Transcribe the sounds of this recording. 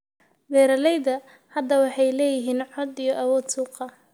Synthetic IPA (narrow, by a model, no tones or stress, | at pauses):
bɛːɾɐlɛjðɐ | hɐd̪ɐwɑħɑjlɛːjɪɦiːnʕɔd̪ijɔʔɐwɔːd̪suːqɐ